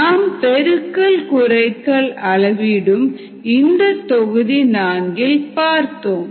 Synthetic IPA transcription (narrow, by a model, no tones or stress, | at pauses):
naːmpɛɾɯkːɐɭkʊɾɐɪkːɐɭɐɭɐʋɪɽɯm | ɪnd̪ɐt̪ːɔɣɯðinaːŋɡɪlpaːɾt̪oːm